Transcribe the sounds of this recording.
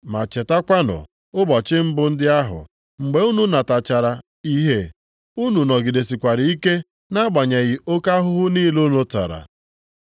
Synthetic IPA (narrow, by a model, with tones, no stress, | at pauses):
ma˨t͡ʃe˨ta˦kʷa˦nʊ̰˨ | ʊ˦bɔ˨t͡ʃɪ˦m̩˦bʊ˦n̩˦dɪ˦a˦ɦʊ̰˨ | ŋ͡m̩˨ɡ͡be˨˦u˦nu˨na˨ta˨t͡ʃa˨ɾa˨ | i˦ɦe˦ | u˦nu˨nɔ˨ɡɪ˨de˨si˨kʷa˨ɾɪ˨i˦ke˦ | na˦ɡ͡ba˨ɲa˨ɣɪ˨o˦ka˦ɦʊ˦ɦʊ˦niː˦lo˦no˦ta̰˨ɾa̰˨